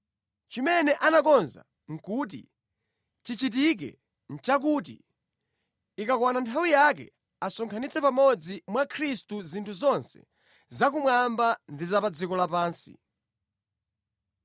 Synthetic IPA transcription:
t͡ʃimɛnɛʔanakɔnza̰ | ŋ̩kut̬ḭ | t͡ʃit͡ʃit̬ik̬ɛ̰ | n̩t͡ʃak̬ut̬ḭ | ikakwanantʰawijak̬ɛ̰ | asɔŋkʰanit͡sɛpamɔd͡zimwakʰɾistuzintʰuzɔnsɛ̰ | zak̬umwambandizapad͡zikɔlapaːnsḭ

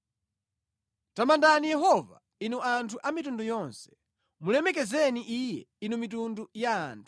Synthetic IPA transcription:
tamandanijɛɦɔva̰ | inuantʰuʔamitundɔjɔnsɛ̥ | mulɛmɛk̬ɛzɛniʔijɛ̰inumitunduja̰ːntʰu̥

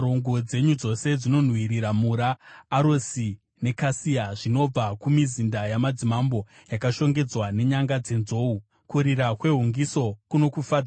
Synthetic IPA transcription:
oŋɡo̞d͡ze̞ɲud͡zo̞se̞d͡zino̞n̤wiɾiɾamuɾaːɾosi | ne̞kasijaʐino̞b͡vakumizindajamad͡zimambo̞ | jakaʃo̞ŋɡe̞d͡zwane̞ɲaŋɡad͡ze̞nzo̞u | kuɾirakwe̞ɦuŋɡiso̞kuno̞kufad͡z

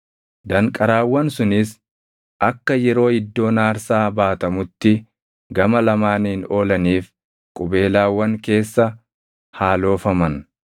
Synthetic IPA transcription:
d̪ɐŋkʼɐɾaːwːɐnsʊnɪs | ʔɐkːɐjɛɾo̞ːɪd̪ːo̞ːnaːɾsaːbaːt̪ɐmʊt̪ːɪ | ɡɐmɐlɐmaːnɪno̞ːlɐniːf | kʼʊbe̞ːlaːwːɐŋke̞ːsːɐ | haːlo̞ːfɐmɐn

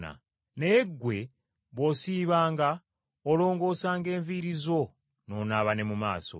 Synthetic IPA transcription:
na̰ | neɡwe̞ | βo̞siːβaːŋɡa | olo̞ːŋɡo̞ːsaːŋɡe̞ːɱviɾizo̞ | no̞ːnaβane̞muma̰ːso̞̰

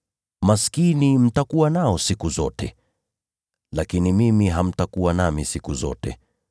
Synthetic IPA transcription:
maskinim̩takuwanaɔsikuzɔ̰tɛ | lakinimimiɦam̩takuwanamisikuzɔ̰tɛ̰

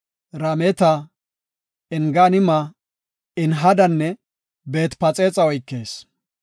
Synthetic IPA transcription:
ɾɐmɛt̪ɐ | ɪŋɡanɪmɐ | ɪnɦɐd̪ɐnːɛ | be̞ːt̪pɐt͡sʼeːt͡sʼɐɔjkːe̞ːs

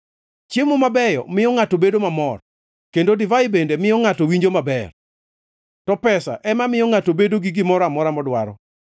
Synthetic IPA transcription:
t͡ʃemumabɛjɔ̰mɪjɔŋatobedomamɔr | kendodivaɪbendemɪjɔŋatowiɲd͡ʒomabɛr | tɔpɛsa̰ʔɛmamɪjɔŋatobedoɡɪɡɪmɔɾamɔɾamɔdwaɾɔ̰

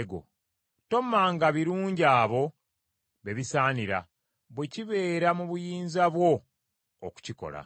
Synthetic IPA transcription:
ɡo̞̰ | to̞mːaːŋɡaβiɾuːɲɟaːβo̞ | βe̞βisaːniɾa̰ | βweciβe̞ːɾamuβujiːnzaβwo̞̰ː | ku̥ciko̞̰la̰

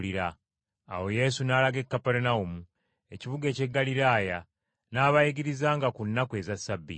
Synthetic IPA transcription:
liɾa̰ː | wo̞je̞ːsunaːlaɡe̞kːapeɾenaumu | e̞ciβuɡe̞ːce̞ɡːaliɾaːja | naːβaiɡiɾizaːŋɡakunːakwe̞ːzasːabːḭ

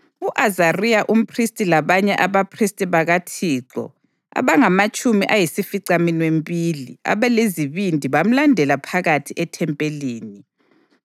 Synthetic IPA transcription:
uʔazariaʔum̩pʰristʼilaβaɲɛʔaβapʰristʼiβaɣatʰiːǁɔ̰ | a̰βaŋamat͡ʃʼumiʔajisifiǀaminwempʼilḭa̰βɛleziβindʱiβam̩landʱɛlapʰaɣatʰiʔɛtʰɛmpʼeliːni

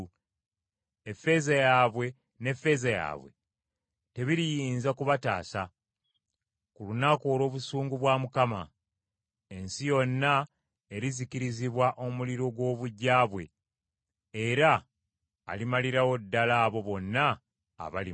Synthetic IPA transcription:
efe̞zajaːβwe̞ | ne̞fe̞zaja̰ːβwe̞̰ | te̞βiɾijiːnzakuβata̰ːsa | kulunako̞ːlo̞ːβusuːŋɡuβwaːmukama̰ | e̞nsijo̞nːa | e̞ɾizikiɾiziβwaʔo̞muliɾo̞ɡwo̞ːβuɟːaːβwe̞̰ | eɾa̰ː | limaliɾawo̞dːalaːβo̞βo̞nːa̰ː | βali

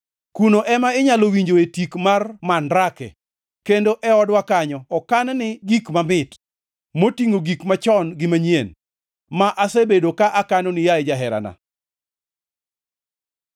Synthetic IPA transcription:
kunoʔɛmaɪɲalowiɲd͡ʒoetikmarmandɾakɛ̰ | kendoʔɛɔdwakaɲɔɔkannɪɡikmamɪt | motiŋoɡikmat͡ʃɔnɡɪmaɲien | maʔasebedokaʔakanonɪjaɪd͡ʒaɦɛɾa̰na̰

